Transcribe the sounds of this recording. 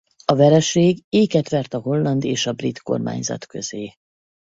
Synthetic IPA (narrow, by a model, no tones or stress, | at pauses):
ɒvɛɾɛʃeːɡeːkɛt̪ʋɛrt̪ɒɦo̞lːɒnd̪eːʃɒbrit̪ko̞̰rma̰ːɲzɒ̰t̪kø̞̰zeː